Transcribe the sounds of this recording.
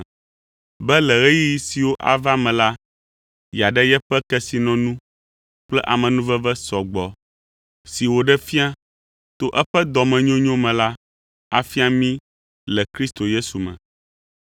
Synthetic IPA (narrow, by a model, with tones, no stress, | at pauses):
bɛ˦lɛ˨ɣe˦ji˦ji˦si˨wo˦ʔa̰˨va˦mɛ̃˨la˦ | ja˨ɖɛ˦jɛ˦ɸɛ˦kɛ˦si˨nɔ̃˨nũ˦ | k͡plɛ̰˦ʔa˨mɛ̃˨nũ˦vɛ˦vɛ˦sɔ˨ɡ͡bɔ˨ | si˨wo˨ɖɛ˦fi˦a˦ | t̪o˦ʔɛ˦ɸɛ˦d̪ɔ˨mɛ̃˨ɲõ˦ɲɔ̃˦mɛ̃˨la˦ | a˨fi˦a˦mĩ˦ | lɛ˨kɾi˦st̪o˨je˦su˨mɛ̰̃˨